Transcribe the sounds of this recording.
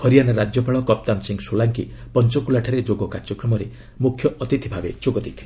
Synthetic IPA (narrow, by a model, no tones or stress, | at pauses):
hɔɾijanaɾad͡ʒjɔpaɭɔkɔp̚t̪ansiŋsolaŋkipɔnt͡ʃɔkulaʈʰaɾed͡ʒoɡɔkaɾd͡ʒɔkɾɔmɔɾe | mukʰjɔʔɔt̪it̪ʰibʱabḛt͡ʃoɡɔd̪it̪ʰ